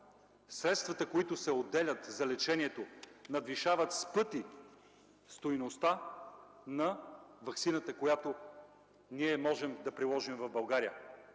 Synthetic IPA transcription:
sɾɛt̪st̪vɐt̪əkoit̪ʊsɛod̪ːɛlʲət̪zɐlɛt͡ʃɛniɛt̪onɐd̪viʃavət̪spɤt̪i | st̪ojnost̪a | nɐvɐksinət̪əkojat̪o | niɛmɔʒɛmd̪ɐpɾilˠɔʒimvɐvbɐlˠɡaɾijə

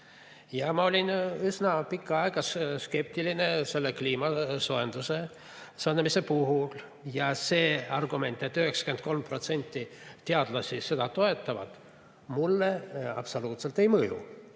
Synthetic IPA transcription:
jɑmɑo̞lʲinysnɑpikːˑɑɑeɡ̥ɑsske̞p̚t̪iline̞se̞lːekliːmɑsoend̪̥use̞ | sonmise̞puɦul | jɑse̞ːɑrɡume̞nt̪ːˑe̞t̪ːyheksɑ̥ke̞nt̪̚ko̞lmpro̞t̪se̞nʲt̪ˑːit̪eɑd̪̥lɑsise̞d̪ɑt̪o̞e̞t̪ˑːɑvɑ̰d̪̥ | mulːeɑ̰pso̞luːt̪se̞lt̪ːˑe̞jmɤjṵ

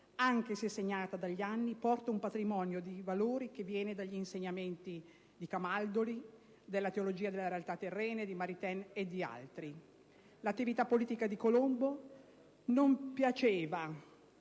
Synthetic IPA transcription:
aŋk̟esɛsːeɲːaːt̪ad̪aʎːianːipɔrt̪aumpat̪ɾimɔnjod̪ivaloːɾik̟evːjɛːned̪aʎːiːnseɲːament̪i | d̪ikamald̪oli | d̪elːat̪eolod͡ʒiːad̪elːeɾealt̪at̪ːerːɛːned̪imaɾit̪ɛned̪ːia̰lt̪ɾi | lat̪ːivit̪apːoliːt̪ikad̪ikolombo | nompjat͡ʃeːva

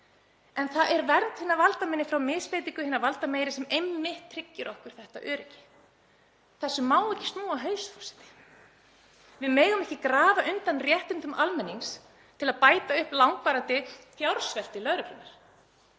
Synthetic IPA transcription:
ɛnθaðʔɛɾvɛɾnt̪hɪnːaɾvalt̪amɪnːɪfɾawmɪspeːjt̪iŋkʏhɪnːaɾvalt̪ameːjɾɪsɛmejmːɪht̪ʰːɾɪcːɪɾʔɔhkʏɾ̥θɛht̪a̰ʔœːɾɪcːɪ̥ | θɛsːʏmaːwɛcɪ̥st̪nuːaɦœːɥsfɔ̥sɛ̥t̪ɪ̥ | vɪðmɛːɣʏmɛhcɪkɾaːvaʔʏnt̪anrjɛht̪ʏnt̪ʏmʔalmɛnːiŋs | t̪ʰɪlaðpaːjt̪aʏhplawŋk̚paːɾant̪ɪθjawɾ̥svɛl̥t̪ɪlœɾʏpʰlʏnːaɾ̥

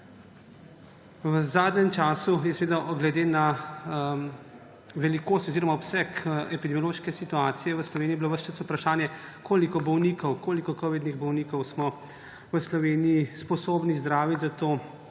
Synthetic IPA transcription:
wəzaːd̪nɛmt͡ʃaːsujɛsɛʋeːd̪aɡlɛd̪eːna | ʋɛlikoːst̪ɔziːɾɔmaɔpsɛkɛpid̪ɛmijɔloːʃkɛsit̪uaːt̪sijɛʋəslɔʋeːnijibiloʋəst͡ʃəsupɾaʃaːnjɛkʰoːlikɔbɔwnikɔwkoːlikɔkɔʋid̪niɣbɔwniːkɔwsmɔ | ʋəslɔʋeːnijispɔsoːbnizd̪ɾaːʋit̪ʲzat̪oː

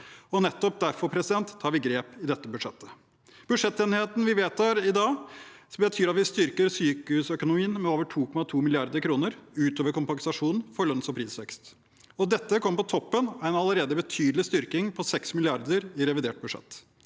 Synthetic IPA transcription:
ɔnɛt̪ːɔp̚d̪æɾfɔɾpʰɾɛsɪd̪ɛnt̪ʰːɑːɾʋɪɡɾeːpɪd̪ɛt̪ːəbʉd̪ʂɛt̪ːə̥ | b̥ʉd̪ʂɛt̪ːeːnɪheːt̪n̩ʋɪʋeːt̪ʰːɑːɾɪd̪ɑːbət̪ʰyːɾɑt̪ʋɪst̪ʏɾkəɾsyːkəhʉːsœkʊnʊiːnmɛoːʋəʈʰuːkʰɔmɑt̪ʰuːmɪlɪɑɾd̪əɾkʰɾuːnəɾʉːt̪oːʋəɾkʊmpɑŋsɑʂuːnfɔɭœnsɔpʰɾiːsʋɛkst̪ | ɔd̪ɛt̪ːəkʰɔmːəpɔt̪ʰɔpːənæɪnɑləɾeːd̪əbət̪ʰyːd̪lɪst̪ʏɾkɪŋpʰɔsɛksmɪlɪɑɾd̪əɾɪɾɛʋɪd̪eːʈ̚bʉd̪ʂɛ̰t̪ː

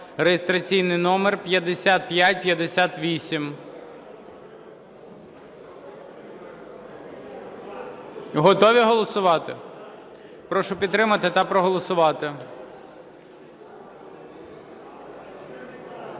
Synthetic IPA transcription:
rejɪst̪ɾɐt͡sʲijnɪjnɔmerpʲjɐd̪esʲat̪̚pʲjatʲpʲjɐd̪esʲat̪ʋʲisʲim | ɦɔt̪ɔʋʲiɦɔlˠɔsʊʋɑt̪ɪ | pɾɔʃʊpʲid̪t̪ːɾɪmɐt̪ɪt̪ɐpɾɔɦɔlˠɔsʊʋɑt̪ɪ

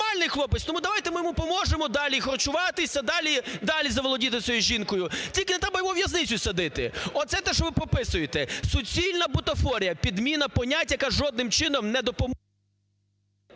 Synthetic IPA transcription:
ɑlʲnɪjxlˠɔpɪsʲt̪ɔmud̪ɐʋɑjt̪ɛmɪjɔmupɔmɔʒemɔd̪ɑlʲixɔrt͡ʃʊʋɑt̪ɪsʲɐd̪ɑlʲid̪ɑlʲizɐʋɔlˠɔdʲit̪ɪsʲɔjuʒʲinkɔjʊtʲilʲkɪnɛt̪ɾɛbɐjɔɦɔʋʲjɐznɪt͡sʲʊsʲɐd̪ɪt̪ɪ̰ɔt̪sɛt̪ɛʃɔʋɪpɔpɪsʊjet̪ɛsɔt͡sʲilʲnɐbʊt̪ɔfɔɾʲijɐpʲid̪mʲinɐpɔnʲatʲjɐkaʒɔd̪̚nɪmt͡ʃɪnɔmnɛd̪ɔpɔm

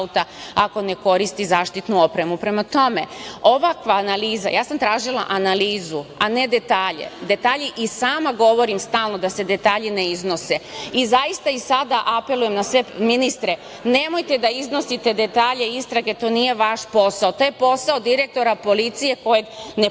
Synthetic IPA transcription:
ut̪aako̞ne̞ko̞ɾist̪izaːʃt̪it̪nuo̞pɾe̞mupɾe̞mat̪o̞me̞oʋakʋaːnaliːza̰jaːsamt̪ɾaːʒilˠa̰ʔanaliːzuane̞d̪e̞t̪aːʎḛd̪e̞t̪aːʎiʔisaːmaɡo̞ʋo̞ɾimst̪aːlˠno̞d̪ase̞d̪e̞t̪aːʎɲineizno̞seizaist̪aisad̪aʔape̞lujemnasʋe̞minist̪ɾe̞ | ne̞mo̞jt̪e̞d̪aizno̞sit̪e̞d̪e̞t̪aːʎe̞ist̪ɾaɡe̞t̪o̞ːnije̞ʋaʃpo̞saot̪oːje̞po̞saod̪iɾe̞k̚t̪o̞ɾapo̞lit̪sije̞ko̞je̞ɡne

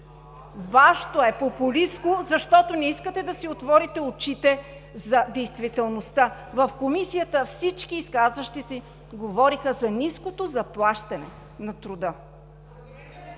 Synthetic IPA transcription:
vaʃt̪oɛpopuliskozɐʃt̪ɔt̪onɛiskət̪ɛd̪ɐsiot̪vɔɾit̪ɛot͡ʃit̪ɛ | zɐd̪ɛjst̪vit̪ɛlˠnost̪avɐfkomisijət̪əfsit͡ʃkiːskazvəʃt̪isi | ɡovɔɾixəzɐniskot̪ozɐplˠaʃt̪ɐnɛ | nɐt̪ɾʊd̪ə

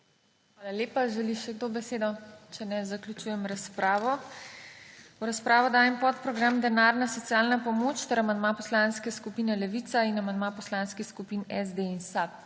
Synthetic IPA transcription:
xʋaːlaljeːpaʒɛliʃɛɡt̪oːbɛseːd̪ɔt͡ʃɛnɛzaklʲut͡ʃuːjɛmɾaspɾaːʋɔ | wɾaspɾaːʋɔd̪aːjɛmpɔt̪pɾɔɡɾamd̪ɛnaːɾnasɔt̪sjaːlnapɔmoːt͡ʃt̪ɛɾamand̪mapɔslanskɛskupiːnɛlɛʋit̪sainamand̪mapɔslanskixskupiːnɛzd̪einsap̚

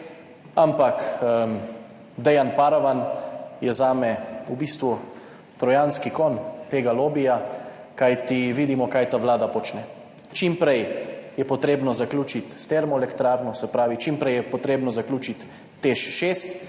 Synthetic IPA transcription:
ampak | d̪ɛjanpaːɾaʋanjɛzaːmɛubist̪ʋu | t̪ɾɔjanskikɔnt̪eːɡaloːbija | kajt̪iʋid̪imɔkajt̪aʋlaːd̪apɔt͡ʃnɛ | t͡ʃimpɾɛjjɛpɔt̪ɾeːbnɔzaklʲuːt͡ʃit̪st̪ɛɾmɔɛlɛkt̪ɾaːɾnɔsɛpɾaːʋit͡ʃimpɾɛjɛpɔt̪ɾeːbnɔzaklʲuːt͡ʃit̪ː | eʃʃeːst̪

